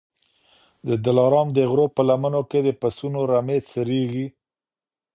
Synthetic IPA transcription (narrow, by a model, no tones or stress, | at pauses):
d̪əd̪ɪlɑɾɑmd̪əɣɾopəlamənoked̪əpasunoɾamet͡səɾeɣi